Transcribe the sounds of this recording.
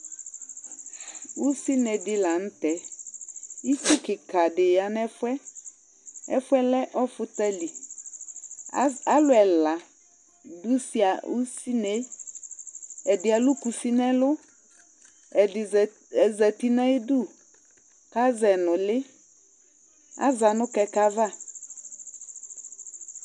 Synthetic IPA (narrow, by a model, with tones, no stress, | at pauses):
wu˦si˦nɛ˨dɪ˦la˨n̩˦t̪ɛ˦ | i˦t͡ʃu˦kɪ˨ka˨dɪ˨ja˨nɛ˦fʊ˦ɛ˦ | ɛ̰˦fʊ˦ɛ˦lɛ˦ʔɔ˦fʊ˦t̪ɛ˦li˨ | a˦lʊ˨ɛ˨la˨ | du˦si˦a˨u˦si˦ne˨˦ | ɛ˨dɪ˨a˨lʊ˦ku˨si˦nɛ̃˦lʊ˦˨ | ɛ˨zɛ˨ti˨nɛ̃˦du˦˨ | ka˦zɛ˨nʊ̃˨lɪ˦ | a̰˦za˨nʊ̃˦kɛ˨ka˦va˦˨